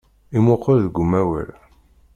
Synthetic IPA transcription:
imʊqːəɾðəɡʷumæwə̰l

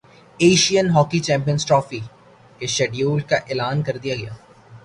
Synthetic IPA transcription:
eːʃijənɦɔːkit͡ʃɛ̃ːmp̬iə̃nsʈɾɔːfi | keʃɛɖijuːlkaʔeːlaːnkɐɾd̪ijaɡɐjaː

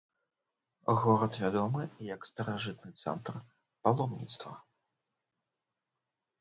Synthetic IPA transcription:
ɣɔɾɐt̪vʲad̪ɔmɨjɐkst̪ɐɾaʐɨt̪̚nɨt̪sɛ̰nt̪r | palˠɔmnʲḭt̪st̪vɐ̰

